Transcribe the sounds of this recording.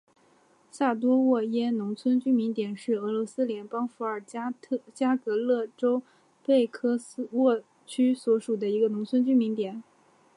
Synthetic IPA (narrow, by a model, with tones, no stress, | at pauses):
sa˥˩t̪wɔ˥wɔ˥˩jɛ˥nʊ˧˥ŋt͡sʰwə˥nt͡ɕy˥mi˧˥ŋt̪jɛ˨˩nʂɻ̩˥˩ɤ˧˥lwɔ˧˥sɹ̩˥ljɛ˧˥npɑ˥ŋfu˧˥ə˞˨˩˥t͡ɕja˥kɤ˧˥lɤ˥˩ʈ͡ʂo˥ʊ | pe˥˩ɪkʰɤ˥swɔ˥˩ | t͡ɕʰy˥swɔ˧˥ʂu˨˩d̪ə˦i˧˥ɡə˧nʊ˧˥ŋt͡sʰwə˥nt͡ɕy˥mi˧˥ŋt̪jɛ˨˩˦n